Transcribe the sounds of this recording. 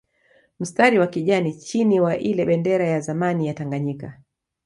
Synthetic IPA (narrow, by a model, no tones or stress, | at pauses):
m̩staɾiwakiʄanit͡ʃiniwaʔilɛɓɛndɛɾajazamanijataŋɡaɲika